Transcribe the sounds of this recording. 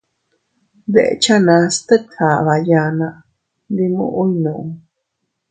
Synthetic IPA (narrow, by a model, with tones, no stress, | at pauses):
d̪e˨ʔet͡ʃa˦nã˧st̪ə˦t̪ʰa˨βa˨ja˧nã˧ | d̪i˧mṵ̃˦˨ʔu˦inũ˨ʔu˨